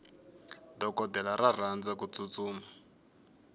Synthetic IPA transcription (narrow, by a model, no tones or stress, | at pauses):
dɔkɔdɛlaɾar̤and͡zakut͡sut͡suːma